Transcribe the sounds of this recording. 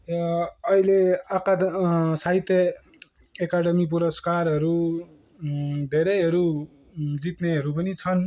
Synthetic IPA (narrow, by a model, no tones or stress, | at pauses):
ʌileakasait̪ʌː | kaɽʌmip̬uɾʌskarɦʌɾu | d̪ʱeɾʌjɦʌɾu | d͡zit̪neɦʌɾupʌnit͡sʰʌn